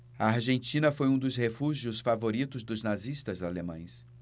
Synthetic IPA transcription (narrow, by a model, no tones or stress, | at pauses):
ɐaɾʒẽnt͡ʃĩnɐfojũd̪ʊshefuʒiʊsfavoɾit̪ʊzd̪ʊznaziʃt̪ɐzalemɐ̰̃j̃s